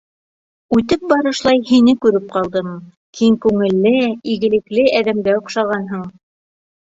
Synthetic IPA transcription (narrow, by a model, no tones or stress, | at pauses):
ʉt̪ɘp̚bɑɾɤ̆ʃlˠɑjhinɘkʉɾɘp̚qɑlˠd̪ɤm | kʰiŋkʉŋɘ̆lːɘiɡɘ̆lɘ̆klɘæðæmɡæŏqʃɑʁɑnɦɤɴ